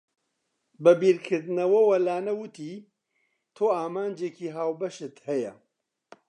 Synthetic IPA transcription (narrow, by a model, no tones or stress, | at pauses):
bɐbiːɾkʰɨɾd̪ɨnɐwɐwɐlaːnɐwɨt̪ʰiː | t̪ʰoːaːmaːnd͡ʒeːkiːɦaːwbɐʃɨt̪hɐjɐ̰